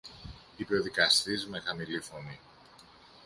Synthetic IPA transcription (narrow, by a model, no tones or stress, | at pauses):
ipe̞o̞ðikɐst̪izme̞xɐmilifo̞ni